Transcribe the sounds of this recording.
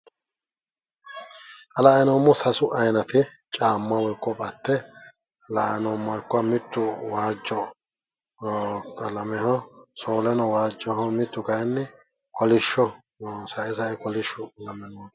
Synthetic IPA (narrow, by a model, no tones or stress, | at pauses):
ʔɐlaːɛnoːmːɔsɐsʊʔɐjnɐt̪ɪ | t͡ʃʼaːmːɐwɔjkʼːɔpʼɐt̪ːɛ | laʔɛnɔːmːɐjkːʊɐmɪt̪ːʊwaːd͡ʒːɔ | kɐlɐmɛɦɔsoːlɛnɔwaːd͡ʒːɔhɔmɪt̪ːʊkɐjnːɛ | kɔlɪʃːɔ | sɐɛsɐɛkɔlɪʃːʊlɐmːɪnod̪ɐ